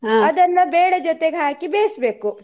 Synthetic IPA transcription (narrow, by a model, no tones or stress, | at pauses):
aːɐd̪ɐnːɐbeːɽed͡ʒot̪eɡɦaːkibeːsbeːku